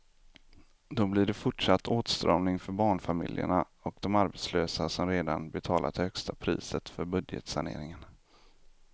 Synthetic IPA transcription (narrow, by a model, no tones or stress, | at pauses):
d̪ɔblɪɖɛfʊʈʂat̪ʰːoːt̪st̪ɾɑ̰ːmnɪŋfœɾbɑːɳfamɪ̰ljə̰ɳa | ɔkd̪ɔmaɾbɛt̪sløːsasɔmɾeːd̪anbɛt̪ʰɑːlʔa̰t̪hœkst̪apʰɾḭːsət̪fœɾbɵd̪jə̰t̪saɳḛːɾɪŋən